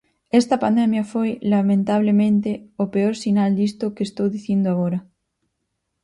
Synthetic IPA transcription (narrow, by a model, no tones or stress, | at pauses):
est̪ɐpand̪emjafojlamẽnt̪aβ̞lemẽnt̪eopeoɾsinald̪ist̪okest̪owðiθjend̪oaɣoɾa